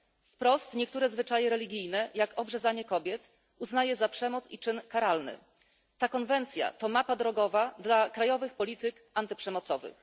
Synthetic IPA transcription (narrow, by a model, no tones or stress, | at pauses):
fpɾɔst̪ɲɛkt̪uɾɛzvɘt͡ʂajɛɾɛlʲiɡʲijnɛjakɔbʐɛzaɲɛkɔbʲjɛt̪ | uznajɛzapʂɛmɔt̪sit͡ʂɘnkaɾalnɘ̰ | t̪akɔnvɛnt̪sʲja̰t̪ɔmapad̪ɾɔɡɔvad̪lakɾajɔvɘxpɔlʲit̪ɘk | ant̪ɘpʂɛmɔt̪sɔvɘ̰x